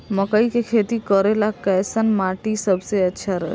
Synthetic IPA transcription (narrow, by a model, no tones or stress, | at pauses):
məkəikekʰet̪ikəɾelakɛːsənmaʈisəbʱseətːʃʰaɾəɦ